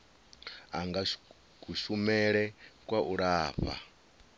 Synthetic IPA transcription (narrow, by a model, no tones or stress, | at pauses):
aŋɡa | kuʃumɛɺɛkwaʔuɺaːɸa̰